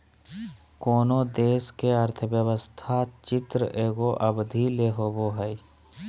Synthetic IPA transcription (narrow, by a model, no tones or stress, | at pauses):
koːnod̪eːskeəɾt̪ʰəʋjəwəst̪ʰat͡ʃɪt̪ɾə̰ʔeːɡoʔəbd̪ʱileɦoːboɦəi